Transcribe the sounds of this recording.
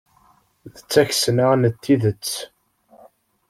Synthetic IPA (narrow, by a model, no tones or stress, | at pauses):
ðət͡sːæçsənaʁnət̪ːiðət͡sː